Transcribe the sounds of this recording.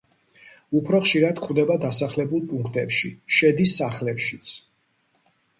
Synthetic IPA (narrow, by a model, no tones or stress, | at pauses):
upʰɾɔχʃiɾad̪kʰχvd̪ɛbad̪asaχlɛbulˠpʼuŋkʰt̪ʼɛpʃiʃɛd̪isaχlɛpʃit̪sʰ